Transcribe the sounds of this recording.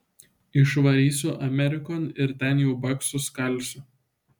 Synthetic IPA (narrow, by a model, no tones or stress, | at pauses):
ɪʃʋɐɾʲiːsʲuːʔɐmʲɛɾʲɪkoːnɪɾt̪ʲɛnjɛʊbɐksʊskɐlʲˑsʲʊ